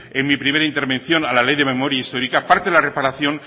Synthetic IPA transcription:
enmipɾime̞ɾaint̪e̞ɾβe̞nθjo̞nalale̞jðe̞mẽ̞mo̞ɾjaist̪o̞ɾikapaɾt̪eðelare̞paɾaθjo̞n

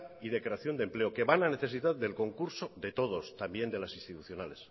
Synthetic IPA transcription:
iðekɾeaθjo̞nd̪e̞mple̞oke̞βanane̞θe̞s̬iðaððe̞lko̞ŋkuɾsoðe̞t̪o̞ð̞o̞st̪ambje̞nd̪e̞lasinst̪it̪uθjo̞nale̞s

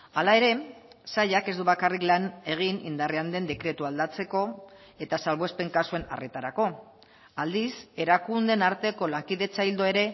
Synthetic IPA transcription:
alae̞ɾe̞saʎake̞zd̪uβakariklane̞ɣ̞inḭnd̪areand̪e̞nd̪e̞kɾe̞t̪uald̪at͡se̞ko̞ | e̞t̪asalβ̞oespe̞ŋkasue̞na̰ret̪aɾako̞ | ald̪ise̞ɾakund̪e̞naɾt̪e̞ko̞laŋkiðe̞t͡saild̪oe̞ɾe̞

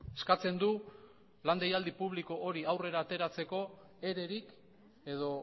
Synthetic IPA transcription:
e̞skat͡se̞nd̪u | land̪ejald̪ipuβ̞liko̞ʔoɾiawre̞ɾaːt̪e̞ɾat͡se̞ko̞ | e̞ɾe̞ɾik | e̞ðo̞

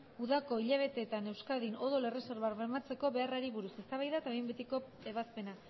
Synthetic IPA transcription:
uðako̞iʎaβ̞e̞t̪e̞ːt̪ane̞wskaðino̞ðole̞re̞so̞ɾβaɾβemat͡se̞ko̞βe̞araɾiβuɾuse̞st̪aβajðaet̪aembet̪iko̞ | e̞βaspe̞na

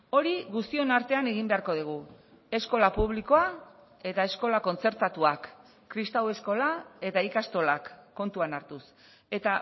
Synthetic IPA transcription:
o̞ɾiɣust̪io̞naɾt̪e̞ane̞ɣimbe̞aɾko̞ð̞iɣ̞u | e̞sko̞lapuβ̞liko̞a | e̞t̪ae̞sko̞lako̞nt͡se̞ɾt̪at̪uakː | ɾist̪awe̞sko̞lae̞t̪aikast̪o̞lakːo̞nt̪uanaɾt̪us | e̞t̪a

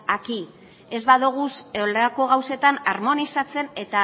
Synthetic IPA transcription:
aki | e̞zβaðuɣ̞useolako̞ɣawse̞t̪anaɾmo̞nisat͡se̞ne̞t̪a

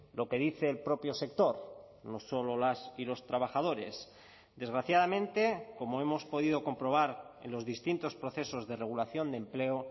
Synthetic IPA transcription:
lo̞ke̞ð̞iθe̞ːlpɾo̞pjose̞kt̪o̞ɾ | no̞so̞lolasilo̞st̪ɾaβaxað̞o̞ɾe̞̰s | d̪e̞zɣɾaθjað̞amẽ̞nt̪e̞ko̞moe̞mo̞spo̞ðiðo̞ko̞mpɾo̞β̞aɾḛnlo̞zðist̪int̪o̞spɾo̞θe̞sozðe̞re̞ɣ̞ulaθjo̞nd̪e̞mpleo

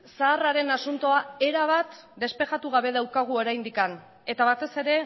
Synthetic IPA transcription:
saːraɾe̞nasunt̪o̞ae̞ɾaβ̞at̪d̪e̞spe̞ʝat̪uɣ̞aβe̞ð̞awkaɣ̞uo̞ɾajnd̪ikan | e̞t̪aβat̪e̞se̞ɾe̞

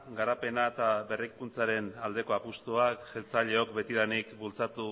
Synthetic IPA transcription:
ɡaɾape̞naet̪aβe̞rikunt͡saɾe̞nald̪e̞ko̞apust̪uakʝelt͡saʎe̞o̞kbe̞t̪iðanikbult͡sat̪u

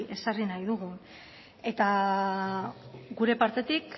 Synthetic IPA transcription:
ʔe̞sarinajðuɣ̞un | e̞t̪a | ɡuɾe̞paɾt̪e̞t̪ik

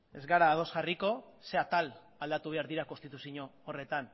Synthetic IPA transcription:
e̞zɣaɾaːð̞o̞sɣariko̞ | se̞at̪al | ald̪at̪uβe̞aɾðiɾakost̪it̪usiɲo̞ːre̞t̪an

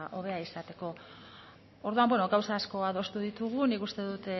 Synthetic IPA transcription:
ʔo̞β̞e̞aisat̪e̞ko̞ | oɾðuambweno̞ɡawsaːsko̞aðo̞st̪uðit̪uɣ̞unikust̪e̞ðut̪

